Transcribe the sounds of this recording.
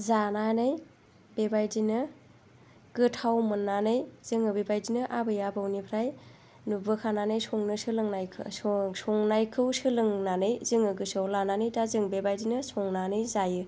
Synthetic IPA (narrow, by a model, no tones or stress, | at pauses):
zananɯj | bebajdinɯ | ɡ̥ɯtʰawmɯnːanɯjz̥ɯŋɯbebajdinɯʔabɯjabawnipʰɾaj | nubɯkʰananɯjsɔŋnɯsɯlɯŋnajkʰɯ̰sɔŋnajkʰɯwsɯlɯŋnanɯjzɯŋɯɡɯsawlananɯjdazɯŋbebajdinɯsɔŋnanɯjzajɯ